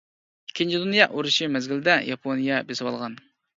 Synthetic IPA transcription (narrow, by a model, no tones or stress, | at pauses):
kʲʰɪnt͡ʃʰid̪unjɑʔuɾuʃimɛzɡʲɪld̪ɛjɑpʰonijɑbesɪwɑlˠʁɑn